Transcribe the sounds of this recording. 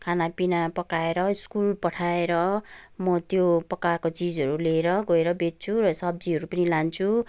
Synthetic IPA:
kʰanapinapʌkaeɾʌiskulpʌʈʰaeɾʌmʌt̪jopʌkarkot͡sid͡zʌɾuleɾʌɡʌeɾʌbet̪̚t͡sʰurʌsʌb̚d͡ziɦʌɾupʌnilant͡sʰu

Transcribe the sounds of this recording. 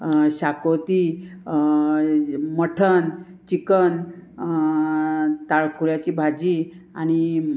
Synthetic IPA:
ɕakot̪i | məʈʰənt͡ɕikən | t̪aɭkʰuɭjat͡ɕiːbʱad͡ʑi | aɽ̃i

